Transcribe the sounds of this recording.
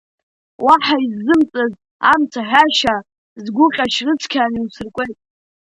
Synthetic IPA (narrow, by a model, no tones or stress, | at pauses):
waħaizːɨmt͡sʼaz | amt͡sʰaħᶣaʃa | zɡʷʊqʲʼaʃrɨt͡sʰkʲʰaːniwsɨrkʷʼejtʼ